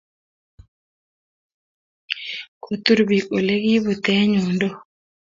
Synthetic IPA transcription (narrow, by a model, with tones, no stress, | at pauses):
kʰo˨t̪u˦ɾbi˨ko˨le˦ɡi˦βu˨t̪ɛ˦ɲu˨ndo˦